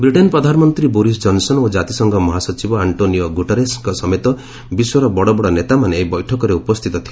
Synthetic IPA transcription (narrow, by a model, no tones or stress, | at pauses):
bɾiʈenpɾɔd̪ʱanɔmɔnt̪ɾiboɾis̬d͡ʒɔnsɔnod͡ʒat̪isɔŋɡɔmɔɦasɔt͡ʃibɔaɳʈoniɔɡuʈeɾesŋkɔsɔmet̪ɔ | biswɔɾɔbɔɽɔbɔɽɔnet̪amaneːbɔjʈʰɔkɔɾeupɔst̪ʰit̪ɔt̪ʰile